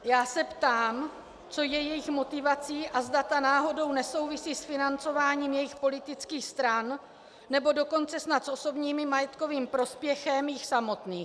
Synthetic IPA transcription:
jaːsɛpt̪aːm | t͡so̞jɛjɛjɪxmo̞t̪ɪvat͡siːʔazdat̪anaːɦo̞do̞wnɛso̞wvɪsiːsfɪnant͡so̞vaːɲiːmjɛjɪxpo̞lɪt̪ɪt͡skiːxst̪ɾanː | ɛbo̞do̞ko̞nt͡sɛsnat̪sʔo̞so̞bɲiːmɪmajɛt̪ko̞viːmpɾo̞spjɛxɛmjɪxsamo̞t̪niːx

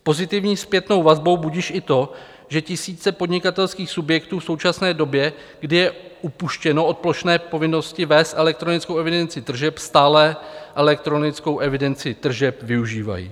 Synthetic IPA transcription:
po̞zɪt̪ɪvɲiːspjɛt̪no̞wvazbo̞wbuɟiʃʔɪt̪o̞ | ʒɛcɪsiːt͡sɛpo̞dɲɪkat̪ɛlskiːxsubjɛkt̪uːfso̞wt͡ʃasnɛːdo̞bjɛ | ɡdɪjɛʔupuʃcɛno̞ot̪̚plo̞ʃnɛːpo̞vɪno̞scɪvɛːst̪ʔɛlɛk̚t̪ɾo̞nɪt͡skowɛvɪdɛnt͡sɪt̪r̩ʒɛpst̪aːlɛʔɛlɛk̚t̪ɾo̞nɪt͡sko̞wʔɛvɪdɛnt͡sɪt̪r̩ʒɛpvɪuʒiːva̰jḭː

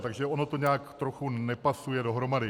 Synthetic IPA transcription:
t̪aɡʒɛo̞no̞t̪o̞ɲaːkt̪ɾoxunɛpasujɛdo̞ɦɾo̞madɪ

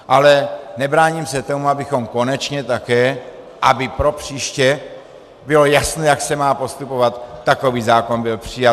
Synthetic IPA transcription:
ʔalɛnɛbɾaːɲimsɛt̪o̞muabɪxo̞mko̞nɛt͡ʃɲɛt̪akɛː | ʔabɪpɾo̞pr̝̥iːʃcɛ | bɪlojasnɛːjaksɛmaːpo̞st̪upo̞vat̪ːako̞viːzaːko̞nbɪlpr̝̥ɪja

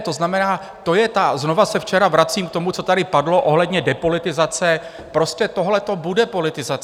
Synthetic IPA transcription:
t̪o̞znamɛnaː | t̪o̞jɛt̪azno̞vasɛft͡ʃɛɾavɾat͡siːmk̚t̪o̞mut͡so̞t̪adɪpadlo̞ʔo̞ɦlɛdɲɛdɛpo̞lɪt̪ɪzat͡sɛ | pɾo̞scɛt̪o̞ɦlɛt̪o̞budɛpo̞lɪt̪ɪzat͡s

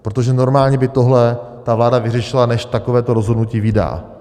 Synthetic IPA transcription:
pɾot̪̬oʒɛno̞ɾmaːlɲɛbɪt̪o̞ɦlɛ | t̪avlaːdavɪrɛʃɪlanɛʃt̪akovɛːt̪oɾo̞zɦo̞dnuciːvida̰ː

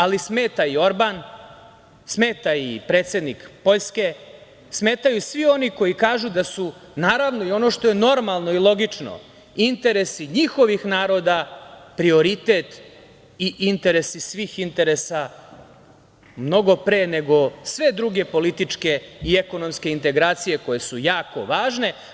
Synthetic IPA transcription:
alisme̞ːt̪aio̞ɾban | smeːt̪aipɾe̞ːt̪se̞d̪nikpo̞ʎske̞ | sme̞ːt̪ajusʋio̞niko̞jikaːʒud̪asunaːɾaʋno̞io̞no̞ʂt̪o̞jeno̞ɾmalˠno̞ilˠo̞ɡit͡ʂno̰ | int̪e̞ɾesiɲixo̞ʋixnaːɾo̞d̪apɾio̞ɾit̪et̪ | iʔint̪e̞ɾesisʋiːxint̪e̞ɾe̞sa | mno̞ɡo̞pɾeːne̞ɡo̞sʋe̞d̪ɾuɡe̞po̞lit̪it͡ʂke̞ieko̞no̞mske̞int̪e̞ɡɾaːt̪sije̞ko̞je̞sujaːko̞̰ʋaːʒne̞

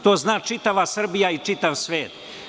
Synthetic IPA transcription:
t̪oːznaːt͡ʂit̪aʋasr̩bijait͡ʂit̪aʋsʋeːt̪

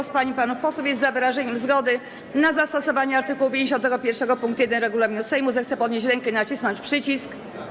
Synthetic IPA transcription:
spaɲipanufpɔswufjɛst̪zavɘɾaʐɛɲɛmzɡɔd̪ɘ | nazast̪ɔsɔvaɲɛaɾt̪ɘkuwupʲjẽɲd͡ʑeɕɔnt̪̬ɛɡɔpʲjɛɾfʂɛɡɔpuŋkt̪jɛd̪ɛnɾɛɡulamʲinusɛjmuzɛxt̪sɛpɔd̪ɲeɕt͡ɕɾɛŋkɛnat͡ɕisnɔɲt͡ɕpʂɘt͡ɕisk

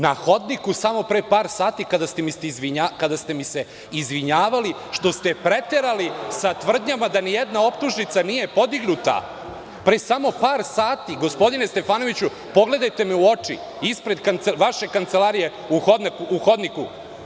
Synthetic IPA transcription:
naxo̞d̪nikusamo̞pɾepaːɾsaːt̪ikad̪ast̪emiseizʋiɲakad̪ast̪e̞mise̞ | izʋiɲaːʋali | ʃt̪o̞st̪e̞pɾet̪eɾalisat̪ʋr̩d̪ɲamad̪anijed̪nao̞pt̪uʒnit̪sanije̞po̞d̪iɡnut̪a̰ | pɾesamo̞paːɾsaːt̪iɡo̞spo̞d̪ine̞st̪e̞faːno̞ʋit͡ɕu | po̞ɡle̞d̪ajt̪e̞miuo̞t͡ʂḭ | ispɾe̞d̪kant̪seʋaʃe̞kant̪selaːɾije̞ | uxo̞d̪nakuʔuxo̞d̪nikṵ

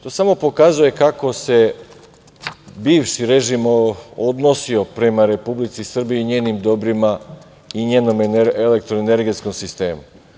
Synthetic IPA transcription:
t̪o̞ːsamo̞po̞kazuje̞kako̞se̞ | biːʋʃiɾeʒimod̪no̞sio̞pɾe̞maɾe̞publit̪sisr̩bijeiɲe̞ːnimd̪o̞bɾima | iɲe̞ːno̞mele̞k̚t̪ɾoene̞ɾɡe̞t̪sko̞msist̪e̞ːmu

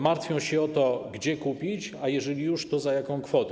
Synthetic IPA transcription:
maɾt̪fʲjɔ̃w̃ɕɛɔt̪ɔɡd͡ʑɛkupʲit͡ɕajɛʐɛlʲijuʂt̪ɔzajakɔ̃w̃kfɔt̪ɛ

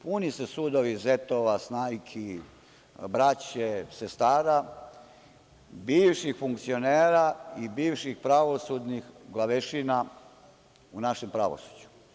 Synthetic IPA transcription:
punisesud̪oʋizet̪oʋasnaːjkʰi | bɾat͡ɕesest̪aːɾa | biːʋʃixfuŋkt̪sio̞neːɾaibiːʋʃixpɾaʋo̞sud̪nixɡlˠaʋeʃina | unaʃe̞mpɾaʋo̰su̥d͡ʑu̥

